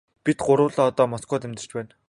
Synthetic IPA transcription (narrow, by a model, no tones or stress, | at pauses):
pit̪ɢʊɾʊːɮɔːɔt̪ɔːmɔskɔːt̪emt̪ɘ̥̆t͡ɕpæːn